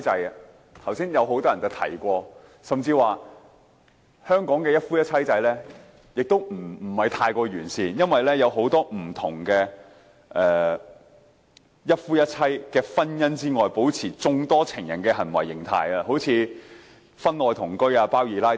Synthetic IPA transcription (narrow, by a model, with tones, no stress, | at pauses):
t͡sɐ˨˧j | t̪ʰɐ˨˩wsiː˥njɐ˨˧wɦo˨˥wt̪ɔː˥jɐ˨nt͡sɐ˨˧wt̪ʰɐ̰˨˩jkʷɔː˧ | sɐ˨mt͡siː˧waː˨ | hœː˥ŋkɔː˨˥ŋkɛː˧jɐ˥t̚fuː˥jɐ˥t̚t͡sʰɐ˥jt͡sɐ˨˥jlɛː˥ | jɪ˨k̚t̪o˥wm̩˨˩˨hɐ˨jt̪ʰaː˧jkʷɔː˧ɥyː˨˩nsiː˨jɐ˥nwɐ˨jlɛː˥jɐ˨˧wɦo˨˥wt̪ɔː˥m̩˨˩t̪ʰʊ˨˩ŋkɛː˧ | ʔɛː˨ | jɐ˥t̚fuː˥jɐ˥t̚t͡sʰɐ˥jkɛː˧fɐ˥njɐ˥nt͡siː˥ŋɔː˨jpo˨˥wt͡sʰiː˨˩t͡sʊ˧ŋt̪ɔː˥t͡sʰɪ˨˩ŋjɐ̰˨˩nkɛː˧hɐ˨˩nwɐ̰˨˩jːɪ˨˩ŋt̪ʰa̰ː˨˧jɐː˧ɦo˨˥wt͡sʰiː˧ | fɐ˥nlɔː˨˧jt̪ʰʊ˨˩ŋkɵ˥ɥaː˧paː˥wjiː˨˥laː˥